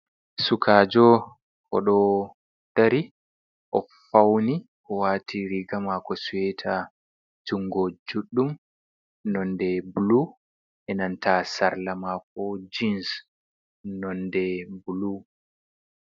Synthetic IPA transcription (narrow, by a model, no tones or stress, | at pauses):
sukʰaːd͡ʒɔ | hɔ̰ɗɔ | taɾi | ʔɔfawni | ʔɔwaːtʰiɾiɡamakɔsuwɛtʰa | d͡ʒuŋɡɔd͡ʒuɗːum | nɔndɛbulu | ʔɛnantasaɾlamak̚ɔd͡ʒins | nɔndɛbulu